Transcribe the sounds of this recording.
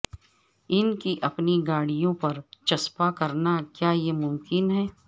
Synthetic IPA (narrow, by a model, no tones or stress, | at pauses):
ɪnkiʔɐpniɡaːɽijõpɐɾt͡ʃɐspakɐɾnakjaːjemʊ̃mkɪnɦɛː